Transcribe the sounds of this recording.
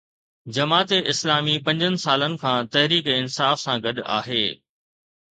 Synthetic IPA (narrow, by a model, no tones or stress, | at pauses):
d͡ʑɐmaːt̪eʔɪslaːmipɐ̃ɲd͡ʑənɪ̆saːlənɪ̆kʰãːt̪ɐɦɾiːkɪnsaːfsãɡɐɗa̰ːɦeː